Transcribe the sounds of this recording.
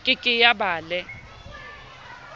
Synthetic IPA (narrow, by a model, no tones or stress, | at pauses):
kʼɪkʼɪjabaːlɛ